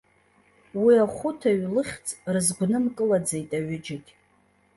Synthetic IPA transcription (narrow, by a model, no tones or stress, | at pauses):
wiaχʷʊtʰaɥlɨχʲt͡sʼrɨzɡʷnɨmkʼɨlad͡ze̞jtʼaɥʊd͡ʒaɡʲ